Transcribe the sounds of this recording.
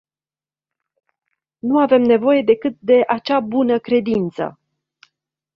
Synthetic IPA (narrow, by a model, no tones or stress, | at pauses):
nuave̞mne̞vo̞je̞d̪e̞kɨt̪̚d̪e̞ʔat͡ʃabunəkɾe̞d̪int̪sə̰